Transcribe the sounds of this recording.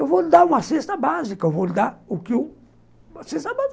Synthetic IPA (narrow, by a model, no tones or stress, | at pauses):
evolid̪aũmɐsest̪ɐbazikevold̪aukiu | asest̪ɐbaz